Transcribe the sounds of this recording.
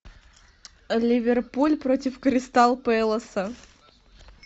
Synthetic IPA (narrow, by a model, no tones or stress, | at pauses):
lʲɪvʲɪrpulʲpɾotʲɪfkɾʲɪst̪alˠpɛlˠəsə